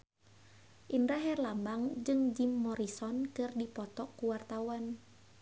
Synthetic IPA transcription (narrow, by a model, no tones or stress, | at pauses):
ʔindɾaɦɛrlambaŋd͡ʒɨŋd͡ʒimːɔɾisɔnkɨrdipɔt̪ɔkuwart̪awan